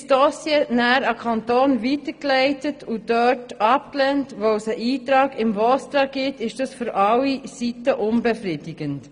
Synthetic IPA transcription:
sd̥ɔsjenæːɾɑkʰɑnt̪oːnʋitəklɛɪtətʰudøtɑp̚klɛntʋoʊsəʔiːtɾɑːɡɪmvɔst̪ɾɑɡ̥ɪtɪʃd̥ɑsfyɾʔɑlːisitəʔʊnbɛfrɪdɪɡ̥ənt

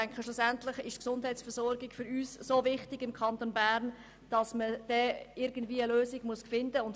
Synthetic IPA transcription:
æŋkχəʃlusæntlɪχɪʃtksʊnd̥hæɪtsfɛɾsɔɾɡɪɡfʏɾyːssoːvɪχtɪɡɪmkʰɑnt̪onbæːɾn | d̥ɑsməd̥ɛɪɾɡ̥ən̩dviːəløːsɪɡmuəskfɪndəʊnt

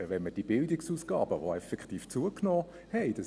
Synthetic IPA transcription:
vɛnməd̥iəbɪldɪksuːsɡ̥ɑ̰ːbəʋoɛfɛkχtiːft͡suəknoː | hɛɪd̥ɑ

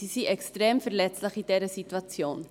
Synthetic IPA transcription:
isiʔɛkstreːmfərlɛtsləχidɛːɾəsityɐt͡sioːn

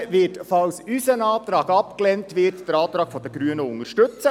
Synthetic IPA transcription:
ʋɪtfɑlsysənɑːt̪ɾɑːɡɑpklɛntʋɪːɾtd̥əɾɑːt̪ɾɑːɡ̥fɔd̥̪əɡɾyənəʊŋəʃtɵt͡sə

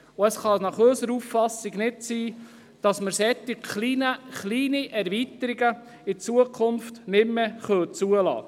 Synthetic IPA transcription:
ʊəsχɑnɑχøsəɾuffɑsɪɡnɪtsiː | d̥ɑsməɾsɛt̪ːɪkχlinəχliːniʔɛɾvit̪əɾiɡə | ɪt͡suəkʰχʊnftnɪmmɛχœt͡suəlɑ̰ː

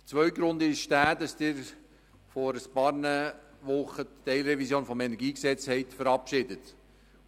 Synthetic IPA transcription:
t͡sʋœʏɡɾʊnd̪ɪʃʃtæːdɑsd̥ɪːɾ | fɔɾəspɑːɾnə | ʋʊχətːɛɪlɾɛvisjoːnfɔmɛnɛɾɡiːksɛt͡shɛɪtfəɾɑpʃɪdət

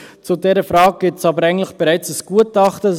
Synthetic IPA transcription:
t͡sudɛɾəfɾɑːɡ̚ɡ̥ɪtsɑbəɾæɪŋn̩tləχb̥ɛɾaɪt͡səsɡ̥uːətɑχtə

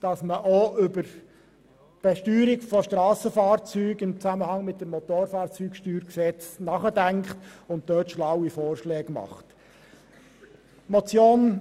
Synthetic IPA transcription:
d̥ɑsməʔoʏbəɾ | b̥ɛʃtyːɾɪkfɔʃtɾɑːsəfɑːɾt͡syːɡɪmt͡sæməhɑŋmɪt̚dəmmɔt̪oːɾfɑːɾt͡syːkʃtyːɾksɛt͡snɑχədæŋkχtʊnt̚d̥øːtʃlawifoːrʃlɛːɡmɑ̰χt | mɔt͡sjoːn

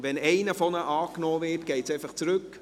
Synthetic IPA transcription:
ʋɛnɛɪnəfɔnəʔɑːknɔːvɪːrtɡ̥ɛɪtsɛɪfɑχt͡sɾɵk

